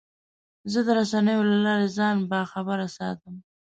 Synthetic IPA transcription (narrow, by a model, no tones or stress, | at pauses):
zəd̪əɾasanəjolalɑɾezɑnbaxabəɾasɑ̰t̪əm